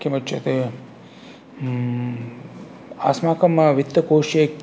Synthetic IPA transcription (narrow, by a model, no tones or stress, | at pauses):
kːimɐt͡ʃʰɐt̪e | aːsmaːkɐmɐʋit̪ːɐkoːʃeːk